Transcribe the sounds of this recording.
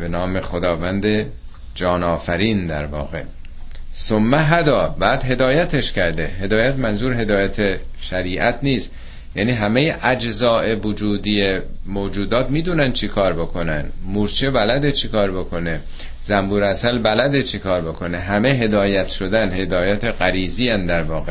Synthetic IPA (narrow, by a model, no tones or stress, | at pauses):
benɒːmeχod̪ɒːvænd̪e | d͡ʒɒːnɒːfæɾiːnd̪æ̰ɾvɒ̰ːɣe̞̰ | somːæɦæd̪ɒːbæːd̪ɦe̞d̪ɒːjæt̪ʰeʃcæɾd̪ehe̞d̪ɒːjæt̪mænzuːɾɦe̞d̪ɒːjæt̪ʰe | ʃæɾiːʔæt̪ʰniːst̪ | jæ̰ːniːɦæmejeʔæd͡ʒzɒːe̞vod͡ʒuːd̪ijemoːd͡ʒuːd̪ɒːt̪miːd̪uːnænd̪t͡ʃʰikʰɒːɾbo̞kʰo̞næ̰nd̪muɾt͡ʃʰebælæd̪et͡ʃʰekʰɒːɾbo̞kʰo̞ne | zæmbuːɾæsælbælæd̪et͡ʃʰekʰɒːɾbo̞kʰo̞neɦæmeɦe̞d̪ɒːjæt̪ʃo̞d̪ænhe̞d̪ɒːjæt̪ʰeɣæɾiːziːænd̪æɾvɒːɣe